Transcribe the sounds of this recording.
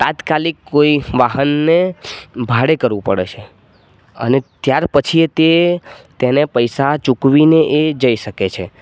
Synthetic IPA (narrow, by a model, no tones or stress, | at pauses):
t̪ãt̪kalikːoiʋaɦənːebʱaɽekəɾʋũpə̰ɽḛt͡ʃʰe | ə̰net̪jaɾpət͡ʃʰit̪et̪enepəjsat͡ʃukʋineʔed͡ʒəiʃəket͡ʃʰe